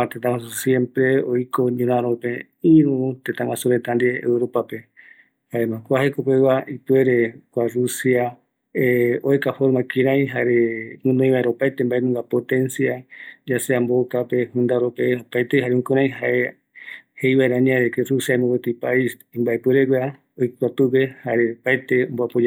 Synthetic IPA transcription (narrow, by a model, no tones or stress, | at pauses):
ãt̪et̪ãwãs̬usjẽ̞mpɾeojko̞ɲũɾãɾopẽ | ĩɾũt̪ẽt̪ãŋwãsuɾet̪and̪ḛːwɾopape | haemãkʷahekopeβaʔipeɾekʷarusia | eoekafoɾmãkĩɾãj̃ɦaɾemũnõj̃βaeɾaopajt̪embaʔenũŋɡapot̪ẽnsiad͡ʒaseambokape̞hũnd̪aɾopeopaet̪eɦaɾeũkũɾ̃ãj̃ɦaʔe | hejβaeɾaɲãɾekerusiamõwet̪ipais | ĩmbaepɨɾeɡʷea | ojkʷat̪upehaɾepaet̪emboapod͡ʒa